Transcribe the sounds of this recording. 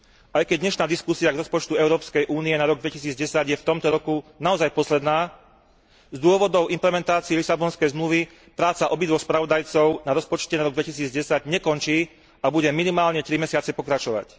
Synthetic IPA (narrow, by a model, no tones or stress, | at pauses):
ajkɛɟ̚d̪ɲɛʃnaːd̪iskusiaɡɾɔspɔt͡ʃt̪uɛʊɾɔːpskɛjʔuːniɛnaɾɔɡ̚d̪ʋɛcisiːd͡zɟɛsaɟjɛft̪ɔmt̪ɔɾɔkunaɔzajpɔslɛd̪naː | zd̪ʊɔʋɔd̪ɔʊʔimplɛmɛnt̪aːt͡siɛlisabɔnskɛjzmluʋi | pɾaːt͡saʔɔbid̪ʋɔspɾaʋɔd̪ajt͡sɔʊnaɾɔspɔt͡ʃcɛnaɾɔɡd̪ʋɛcisiːd͡zɟɛsaɟɲɛkɔnt͡ʃiː | abuɟɛminimaːlɲɛt̪ɾimɛsɪat͡sɛpɔkɾat͡ʃɔʋa̰c